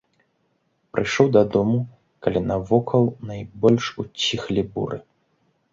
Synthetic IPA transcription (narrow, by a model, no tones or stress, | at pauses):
pɾɨjʂɔwd̪ɐd̪ɔmu | kalʲinɐvɔkʰɐlˠnɐjbɔlʲʂut͡sʲːixlʲibṵɾɨ̰